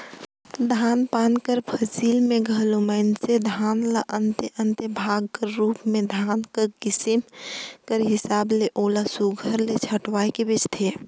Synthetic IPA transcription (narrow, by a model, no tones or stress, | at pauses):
d̪ʱaːnpankəɾpʰəsilmẽɡʱəloməɪnsed̪ʱanlaʔənt̪ʔənt̪əbʱaɡ̚kəɾːuːpmẽd̪ʱankəɾkɪsimkəɾɦɪsaːbleʔolasuɡʱəɾlet͡ʃʰəʈwajkebit͡ʃt̪ʰe